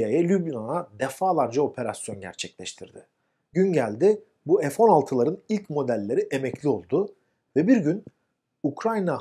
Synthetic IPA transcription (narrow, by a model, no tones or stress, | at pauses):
ajalʲybinanad̪efaːlˠaɾd͡ʒao̞pʰe̞ɾasjo̞nɟæ̰ɾt͡ʃʰɛclʲɛʃt̪ʰiɾd̪ɪ | ɟynɟælʲd̪ɪ | buefo̞nalˠt̪ʰɯlˠaɾɯnilʲcmo̞d̪ælʲːe̞ɾiʔe̞mɛclʲio̞lˠd̪ʊ | vɛbiɾɟyn | ukʰɾajna